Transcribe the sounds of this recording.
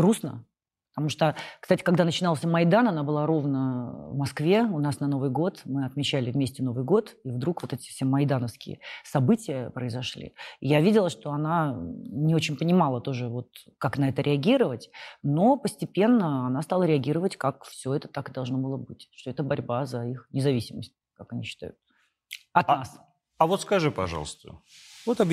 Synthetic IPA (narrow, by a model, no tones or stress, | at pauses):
ɡɾusnə̰ | pət̪ɐmuʂt̪okst̪atʲɪ̥kaɡd̪anət͡ɕɪnɑlˠsʲəmɐjd̪anɐnabɨlˠaɾo̞vnəvmɐskvʲe̞ʊnasnɐno̞vɨjɡo̞t̪mɨɐt̪mʲɪt͡ɕælʲɪvmʲesʲtʲɪno̞vɨjɡo̞t̪ivd̪ɾukvo̞t̪ɛtʲɪ̥fsʲemɐjd̪anəfskʲɪ̰ə̰sɐbɨtʲɪjəpɾəɪzɐʂlʲḭjavʲidʲɪlˠəʂt̪o̞ɐnanʲɪo̞t͡ɕɪnʲpənʲɪmalˠət̪o̞ʐɨvo̞t̪ | kaknɐɛt̪əɾʲʔɪɐɡʲiɾəvətʲno̞pəsʲtʲɪpʲe̞nːəɐnast̪alˠəɾʲɪɐɡʲiɾəvətʲkakfsʲɵɛt̪ə̥t̪akɨd̪ɐlˠʐnobɨlˠəbɨtʲʂt̪o̞ɛt̪əbɐɾʲbazɐixnʲɪzɐvʲisʲɪməsʲt̚ʲkakɐnʲiɕːɪ̥t̪a̰jʊt̪̚ | ɐt̪nas | ɐvo̞t̪skɐʐɨpɐ̰ʐɑ̰lˠəst̪ə̰vot̪ɐb